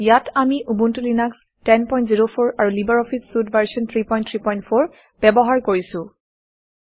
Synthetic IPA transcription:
jatamiʔubuntulinaks | tɛnpɔj̃ntziɹopʰoɹaɹulibaɹɔfʰissudvaɹsɔntʰɹipɔjntʰɹipɔjntpʰoɹ | b̥ɛbɔɦaɹkoɹisʊ̃

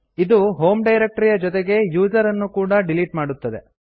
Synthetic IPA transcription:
id̪uɦo̞ːmɖɐjɾek̚ʈɐɾijɐd͡ʒɔt̪eɡe̞juːd͡ʒɐɾɐnːukuːɽɐɖiliʈmaːɽut̪ːɐd̪e̞

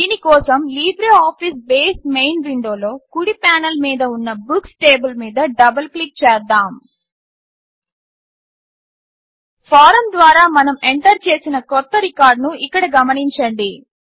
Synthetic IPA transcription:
d̪iːnikɔːsɐmliːbɾeːaːpʰisbeːsmejnʋiɳɖo̞ːlo̞ːkuɽipaːnɐlmiːd̪ɐunːɐbuksʈeːbɐlmiːd̪ɐɖɐbɐlklik̚t͡ʃɛːd̪aːm | pʰaːɾɐmd̪ʋaːɾaːmɐnɐmeɳʈɐɾt͡ʃe̞ːsinɐkɔt̪ːɐɾikaːɾɖnuikːɐɽɐɡɐmɐniɲt͡ʃɐɳɖi

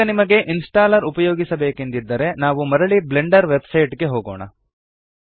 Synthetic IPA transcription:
ɐnimɐɡe̞ʔinsʈaːlɐɾupɐjoːɡisɐbe̞ːkend̪id̪ːɐɾe̞naːʋumɐɾɐɭibleɳɖɐɾʋebsɐjʈɡe̞ɦoːɡoːɳɐ̰

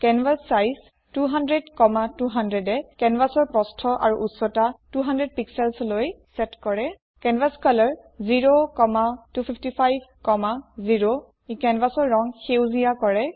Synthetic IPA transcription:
kɛnvasːajs | tuɦandɹedkɔmatuɦandɹedɛkɛnbasɔɹpɔstʰɔʔa̰ɹuʔusɔtatuɦandɹed̚piksɛlsloj | sɛtkɔɹɛ | kɛnvaskɔlɔɹ | ziɹokɔmatupʰipʰtipʰajbʱkɔmaziɹo | ikɛnbasɔɹːɔŋxewzijakɔɹɛ

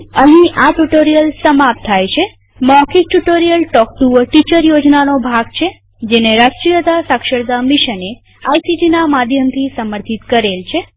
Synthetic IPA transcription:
əɦĩʔaʈuʈoɾijəlsəmap̚t̪ʰajt͡ʃʰe | mɔkʰiʈuʈoɾijəlʈɔk̚ʈuʋəʈit͡ʃəɾjod͡ʒnanobʱaɡt͡ʃʰe | d͡ʒeneɾaʃʈɾijəd̪asakʃəɽd̪amiʃəne | ajsiɖinamad̪ʱjəmt̪ʰisəməɾt̪ʰit̪kəɾelt͡ʃʰe

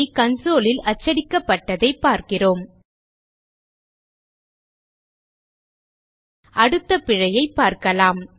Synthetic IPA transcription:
ikɐnsoːlɪlɐt͡ʃːɐɽɪkːɐpːɐʈːɐðɐɪpːaːɾkɪroːm | ʔɐɽɯt̪ːɐpɪɻɐjɐɪpːaːɾkɐlaːm

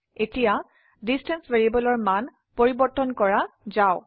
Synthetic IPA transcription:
etija | distɛnsveɹibɔlɔɹman | poɹibɔɹtɔnkɔɹazaʊ

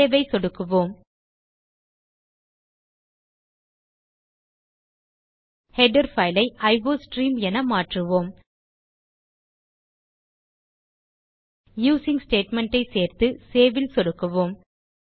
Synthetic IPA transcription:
eːʋɐɪsɔɽɯkːɯʋoːm | hɛɖɐɾfɐɪlɐɪʔɐɪʋoːsʈɾiːmɛnɐmaːʈrɯʋoːm | juːsɪŋsʈeːʈmɛɳʈɐɪseːɾt̪ɯseːʋɪlsɔɽɯkːɯʋoːm

